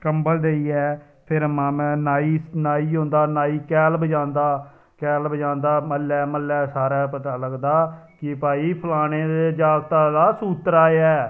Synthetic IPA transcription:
kəmbəld̪eiːɛː | pʰɪɾmãːmɛ̃ːnaːiːnaːiːɦõːnd̪aːnaːiːkɛːlbəd͡ʒãːnd̪aː | kɛːlbəd͡ʒãːnd̪aːməlːɛːməlːɛːsaːɾɛːpət̪aːləɡd̪aːkɪpaːiːpʰəlaːɽ̃eːd̪ed͡ʒaːɡt̪aːd̪aːsuːt̪ɾaːɛː

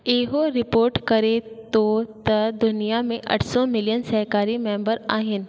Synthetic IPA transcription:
eːɦoɾɪpoːɾʈkɐɾet̪ot̪ɐd̪ʊnijamẽʔɐ̰ʈʰsɔmɪlijənsɐɦkaːɾimẽːmbəɾaːɦɪn

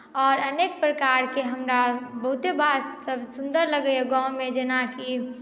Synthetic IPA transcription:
ɔːɾəneːk̚pɾəkaːɾkeɦəmɾabəɦʊt̪ebaːd̪səbsʊ̃nd̪əɾləɡəeɡãʊ̃mẽd͡ʒeːnaki

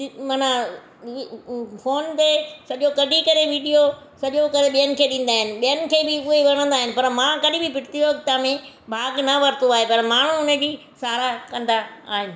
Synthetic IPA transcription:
mɐna | foːnt̪esɐʄokɐɖʱikɐɾeʋiːɖijo | sɐʄokɐɾeɓijənɪ̆kʰeːɗĩːn̆d̪aːɦɪnɪ̆ɓijənɪ̆kʰeːbɪʊɦeʋɐɽ̤̃ə̃nd̪aːɦɪnɪ̆pɐɾmãːkɐɗɪ̃bɪpɪʈʰt̪ioɐkt̪amẽ | bʱaːɡnɐʋɐɾt̪oaːɦepɐɾmaːɳ̤ũʊnəd͡ʑiː | saːɾakɐ̃nd̪aaːɦɪnɪ̆

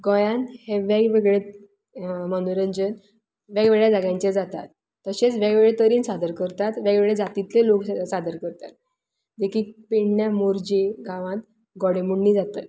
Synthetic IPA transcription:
ɡɔ̃jãnt̪heʋaɡʋeɡɭe | mənuɾəɲd͡ʑən | ʋjaɡʋeɡɭjad͡zaɡjãɲt͡ɕed͡zat̪a̰t̪ː | əɕet͡sʋaɡʋeɭet̪əɾiːnsad̪əɾkəɾt̪at̪ʋaɡeɭed͡zat̪it̪leloksad̪əɾkəɾt̪a̰t̪̚ | d̪ekʰiːkpeɳnjamoɾd͡ʑeɡãʋãt̪ | ɡɔɽemuɳːiːd͡zat̪ət̪

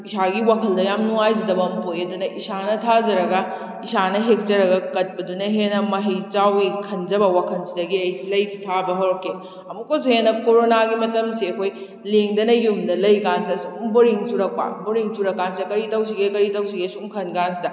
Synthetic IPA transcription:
isaɡiwakʰɐldɐjamnuŋajzidɐbɐmpojɐdunɐʔisanɐtʰazɐɾɐɡɐ | isanɐɦek̚t͡ʃɐɾɐɡɐkɐt̚pɐdunɐɦenɐmɐɦijt͡ʃawikʰɐnd͡ʒɐbɐwakʰɐnsidɐɡiɐjsilɐjsi̥tʰabɐɦoɾoke | ɐmukːosuhenɐkoɾonaɡimɐtɐmsiɐkʰoj | leŋdɐnɐjumdɐlɐjɡansɐsuumboɾiŋsuɾɐk̚pa̰boɾiŋsuɾɐkːansidɐkɐɾitɐws̬iɡekɐɾitɐwsiɡesuumkʰɐnɡansidɐ

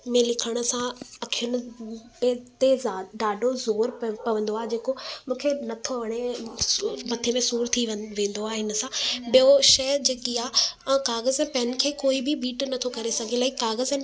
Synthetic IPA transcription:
mẽlɪkʰəɽ̃ʊ̆sãɐkʰijʊɽ̃ʊ̆t̪et̪ezaɖaːɖʱozoːɾpɐʋə̃n̆d̪oaːɦed͡ʑeːkomũːkʰenɐt̪ʰoʋɐɽ̃e | mɐt̪ʰemẽsuːɾt̪ʰiʋʋẽːn̆d̪oaːɦɪnə̆sãbijoʃɐːd͡ʑeːkiãːkaːɣəzɛ̃ːpɛn̆kʰeːkoːibɪbiːʈnɐt̪ʰokɐɾesɐɡʱẽlaːikaːɣəzɛ̃ː

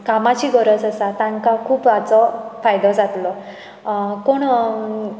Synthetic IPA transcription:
kamat͡ɕiɡʱəɾət͡sasat̪aŋkakʰuːpat͡sɔfajd̪ɔd͡zat̪lɔ | koɳ

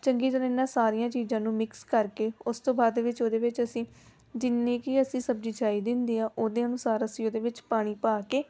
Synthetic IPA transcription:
t͡ʃəŋɡiːd͡ʒəlẽːnãːsaːɾijãːt͡ʃiːzãːnũːmɪkskəɾkeːʊst̪õːbaːd̪eːʋɪt͡ʃoːd̪eːʋɪt͡ʃəsĩː | d͡ʒɪnːẽːkiəsĩːsəbd͡ʒiːt͡ʃaːiːd̪ɪ̃nd̪iːãːʔoːd̪eːənʊsaːɾəsĩoːd̪eːʋɪt͡ʃpaːɽ̃iːpaːkeː

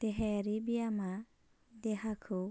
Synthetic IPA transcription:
t̪ɛɦɛɾibiama | d̪ɛɦakʰɯ

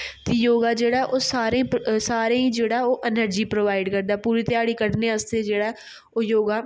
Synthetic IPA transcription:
t̪eːjoːɡaːd͡ʒeːɽaʔoːsaːɾẽːsaːɾẽːĩːd͡ʒeːɽaːoːʔɛnəɾd͡ʒiːpɾoːʋaːɪɖkəɾd̪aːpuːɾiːt̪ɪjaːɽiːkəʈneːəst̪eːd͡ʒeːɽaː | oːjoːɡaː

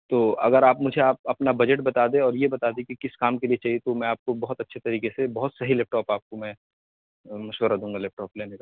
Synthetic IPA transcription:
t̪oːʔɐɡəɾaːpmʊd͡ʒʱeaːp̚ɐpnabɐd͡ʒəʈbɐt̪aːd̪ẽɔːɾjebɐt̪aːd̪ẽkikɪskaːmkeliet͡ʃaːɦiet̪omɛ̃aːp̚kobɐɦʊt̪ɐtːʃʰet̪ɐɾiːkesebɐɦʊt̪sɐɦilɛːp̚ʈɔːpaːp̚komɛ̃ | mɐʃʋəɾad̪ũːŋɡalɛːp̚ʈɔːpleːneka

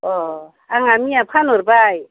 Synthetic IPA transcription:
ɔ | aŋamiapʰanoɾbaj

